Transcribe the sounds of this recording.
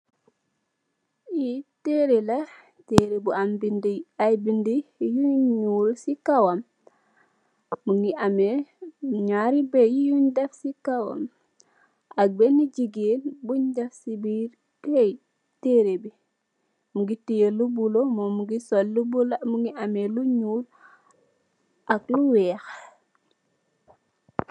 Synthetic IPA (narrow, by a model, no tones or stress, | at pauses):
iteɾela | teɾebuambindiajbindijuɲulsikawam | uŋɡiame | ɲaɾibejijuɲdefsikawa̰m | ak̚beniɟiɡeːnbuɲdɛfsibiɾ | kɛj | teɾebi | muɡitijelubulomɔmuɡisɔllubulmuŋɡiameluɲuːl | ʔakluwɛx